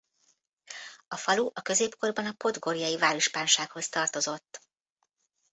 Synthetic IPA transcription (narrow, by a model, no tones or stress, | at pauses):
ɒfɒluʔɒkø̞zeːpko̞rbɒnɒpo̞d̪ɡoːɾijɒjivaːɾoʃpaːnʃaːkho̞st̪ɒrt̪o̞zo̞t̪ː